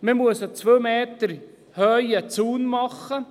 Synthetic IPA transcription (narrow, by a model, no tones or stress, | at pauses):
məmuəsot͡sʋøːmeːt̪əɾ | hœjət͡suːnmɑχːə